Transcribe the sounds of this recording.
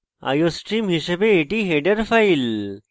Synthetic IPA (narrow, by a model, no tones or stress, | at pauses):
a̰josʈimɦiʃɐbeːʈiɦeːɖɐɾfɐjl